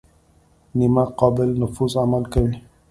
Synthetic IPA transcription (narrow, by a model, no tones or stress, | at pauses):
nimaqɔbɪlnʊfusamalkəɾi